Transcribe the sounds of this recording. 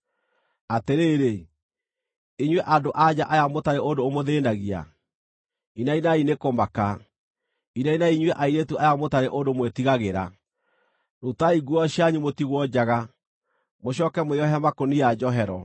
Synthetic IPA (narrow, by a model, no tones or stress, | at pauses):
ateɾeːɾe | iɲwɛʔadoʔad͡ʑaʔajamotaɾeʔondoːmoðeːnaɣia̰ | inainainekomaka | inainaiɲwɛʔaiɾetuajamotaɾeʔondomwetiɣaɣeɾa̰ | notaiɡuɔɕiaɲumotiɣwɔd͡ʑaɣa | moɕ̬ɔkɛmoeɔɦɛmakoniad͡ʑɔɦɛɾɔ